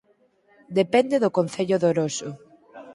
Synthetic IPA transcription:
d̪epɛnd̪eðʊkon̟θeʎʊðoɾosʊ

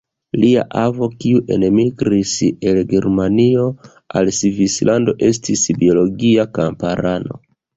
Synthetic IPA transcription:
lia̰ʔavo̞kiuʔe̞̰nmiɡɾise̞lɡeɾmanio̞ | a̰lsivislʔando̞ʔe̞s̬tisbio̞lo̞ɡiakampaɾano̞̰

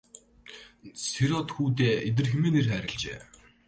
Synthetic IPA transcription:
seɾɔt̪xuːt̪̬eːet̪̬ɘ̆rxĕmeːnerχæːɾʲɪ̆ɮt͡ɕḛː

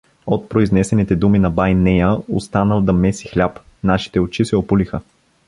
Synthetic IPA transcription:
ot̪̚pɾoiznɛsɛnit̪ɛd̪uminɐbajnɛjəost̪anəlˠd̪ɐmɛsi̥xlʲap | naʃi̥t̪ɛot͡ʃisɛopulixə

